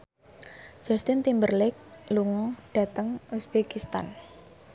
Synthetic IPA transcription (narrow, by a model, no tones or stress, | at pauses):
d͡ʒ̥ɔst̪ɪnt̪imbərlɪk̚luŋɔɖ̥ä̤t̪əŋusb̥ekist̪a̰n